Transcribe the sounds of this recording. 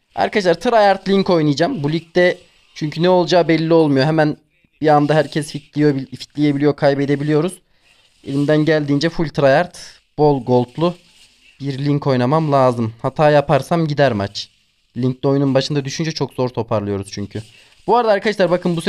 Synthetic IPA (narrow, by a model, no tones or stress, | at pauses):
a̰ɾkʰadaʃ̬lˠaɾt̪ʰɯɾajaɾt̪ʰlʲiɲko̞jnɯjd͡ʒambulʲic̚t̪ɛ | t͡ʃʰyɲcʰynɛo̞lˠd͡ʒaːbɛlʲːio̞lˠmujoɦɛmæn | b̥iand̪aɦæɾcʰɛsfit̪ʰlʲijobifi̥t̪lʲijebilʲijokʰajbed̪e̞bilʲijo̞ɾuz̥ | ḛlʲimd̪ænɟælʲd̪iːnd͡ʒɛfulʲt̪ʰɾajaɾt̪ | b̥o̞lˠɡo̞lˠt̪ʰlˠu | b̥iɾlʲiɲkʰo̞jnamamlˠaːzɯmhat̪ʰaːjapʰaɾsamɟid̪æɾmat͡ʃʰ | lʲiɲclʲio̞jununbaʃɯnd̪ad̪yʃynd͡ʒɛt͡ʃʰo̞kz̥o̞ɾt̪ʰo̞pʰaɾlˠɯjo̞ɾuz̥t͡ʃʰyɲcʰy | b̥uaɾad̪aːɾkʰadaʃlˠaɾbakʰɯnbus